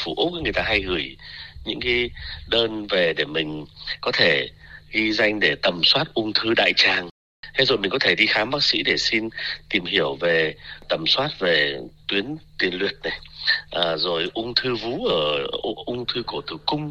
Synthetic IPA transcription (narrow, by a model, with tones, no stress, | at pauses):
fu˧˩ʔ̚ka˨˦ŋɨ˨˩əjt̪aː˧ɦa˧jɣɨ˧˩əjɲɨ̰˧˥ŋka˨˦jɗəː˧nve˨˩ɗe˧˩mï˨˩ŋ̟kɔ˨˦t̪ʰe˧˩ɣi˧za˧jŋ̟ɗe˧˩t̪ə˨˩mswaː˦˥t̚ʔʊ˧ŋ͡mt̪ʰɨ˧ɗa̰ː˧˨jt͡ɕaː˨˩ŋ | t̪ʰe˨˦zo˨˩mï˨˩kɔ˨˦t̪ʰe˧˩ɗi˧xaː˨˦mɓaː˦˥k̚sḭ˧˥ɗe˧˩si˧nt̪i˨˩mɦi˧˩əwve˨˩t̪ə˨˩mswaː˦˥t̚ve˨˩t̪wi˨˦ənt̪wi˨˩ənlwḭ˨˩ət̚na˨˩jʔəː˨˩zo˨˩jʔʊ˧ŋ͡mt̪ʰɨ˧vu˨˦ʔəː˧˩˧ʔʊ˧ŋ͡mt̪ʰɨ˧ku˧˩t̪ɨ˨˩kʊ˧ŋ͡m